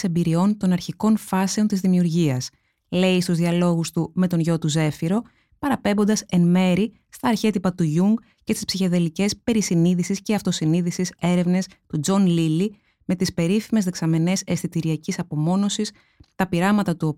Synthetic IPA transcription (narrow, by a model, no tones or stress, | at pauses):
se̞mbiɾio̞nt̪o̞nɐɾçiko̞nfɐse̞o̞nt̪izðimiuɾʝiɐs | le̞ist̪uzðiɐlo̞ɣust̪ume̞t̪o̞nʝo̞t̪uze̞fiɾo̞ | pɐɾɐpe̞mbo̞nd̪ɐse̞nme̞ɾi | st̪ɐːɾçe̞t̪ipɐt̪uʝuŋɡ | cest̪i̥spsiçe̞ðe̞licespe̞ɾisiniðisisceɐft̪o̞siniðisise̞ɾe̞vne̞st̪ud͡zo̞nlili | me̞t̪ispe̞ɾifime̞zðe̞ksɐme̞ne̞se̞sθit̪iɾiɐcisɐpo̞mo̞no̞sis | t̪ɐpiɾɐmɐt̪ɐt̪uo